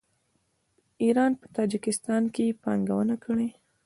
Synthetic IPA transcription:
iɾɑnpə̥t̪ɑd͡ʒɪkɪst̪ɑnkepɑŋɡawənakəɽe

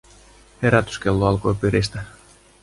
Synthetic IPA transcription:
he̞ɾæt̪y̥skelːoɑlko̞jpyɾist̪æ

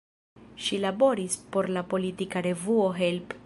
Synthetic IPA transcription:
ʃilabo̞ɾispo̞ɾlapo̞litikaɾe̞vuo̞ɦe̞lp

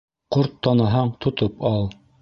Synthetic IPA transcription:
qoɾt̪ːɑnɑɦɑɴt̪ʰŏt̪opɑlˠ

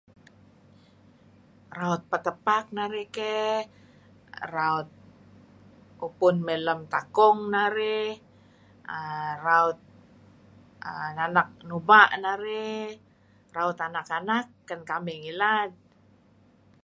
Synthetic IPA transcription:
raɔt̪̚pət̪əpak̚naɾekɛ | raɔt̪̚ | upʊnmɛləmt̪akɔŋnaɾe | əraʊt̪̚ | ənanak̚nubaʔnaɾɛ | raut̪anakanakːənkamɛŋilat̪̚

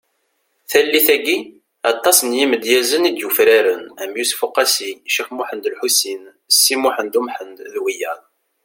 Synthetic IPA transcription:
θælːiθæɡi | ɑt̪ˤːɑsənjiməd̪jæzənid̪jufɾæɾənæmjusfʊqːɑsiʃifmuħənd̪əlħusin | sːimuħənd̪umħənd̪ðwijæðˤ

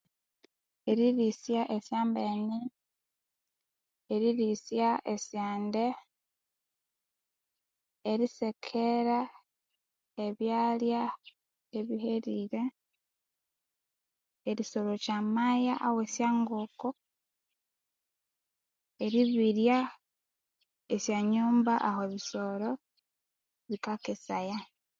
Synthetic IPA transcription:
e̞ɾiɾisjaʔesjaːmbeːni | eɾiɾisjaʔesjaːnde̞ | eɾise̞kʰeɾa | eβjaːlja | e̞βiheɾiɾe̞ | eɾisolocamajaʔawesjaːŋɡoko | eɾiβiɾja | esjaɲuːmbaʔaɦoβiso̞ɾo̞ | βikakesaja

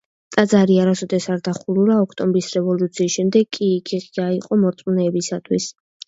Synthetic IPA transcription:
t̪ʼad̪zaɾiaɾasɔd̪ɛsaɾd̪aχulˠuɾaɔkʰt̪ʼɔmbɾisɾɛvɔlˠut̪sʰiːsʃɛmd̪ɛɡkʼiːkʰiʁʼiaiqʼɔmɔɾt̪sʼmnɛːbisat̪ʰwis

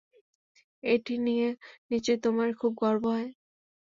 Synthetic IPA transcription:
ejʈinijenit͡ɕet̪omaɹkʰub̚ɡɔɹboɦɔe

